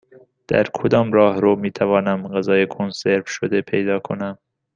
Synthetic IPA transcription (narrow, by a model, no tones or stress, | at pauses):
d̪̥æ̰ɾkʰod̪ɒːmɾɒːhɾomiːt̪ʰævɒːnæmɢæzɒːjekʰonseɾfʃod̪epʰejd̪ɒːkʰo̰næm